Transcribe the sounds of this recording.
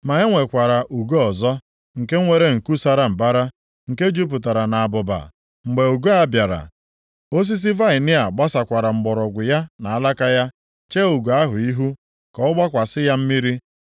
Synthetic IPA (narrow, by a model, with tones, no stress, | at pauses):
ma˨e˦ŋʷe˨kʷa˨ɾa˨ʔu˨ɡo˦ɔ˨zɔ˦ | ŋ̩˨ke˦ŋʷe˦ɾe˦ŋ̩˨ku˦sa˦ɾa˦m̩˨ba˦ɾa˦ | ŋ̩˨ke˦d͡ʒu˦p̬ʊ˨ta˨ɾa˨na˨a˨bʊ˨ba̰˨ | ŋ͡m̩˨ɡ͡be˨u˨ɡo˦a˦bja˨ɾa̰˨ | o˦s̬i˦s̬i˦va˦ɪ˨nɪ˦a˨ɡ͡ba˦sa˨kʷa˨ɾa˨m̩˨ɡ͡bɔ˨ɾɔ˨ɡʷʊ˨ja˦na˨a˦la˦ka˦ja˦ | t͡ʃe˦u˨ɡo˨a˦ɦʊ˨i˦ɦu˦ | kɔ˦ʊ˦ɡ͡ba˦kʷa˨sɪ˦ja˦m̩˦mi˦ɾi˦